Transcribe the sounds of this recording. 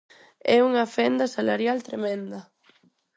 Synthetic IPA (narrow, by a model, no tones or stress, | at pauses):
ɛuŋɐfɛnd̪ɐsalaɾjalt̪ɾemɛ̃nd̪ɐ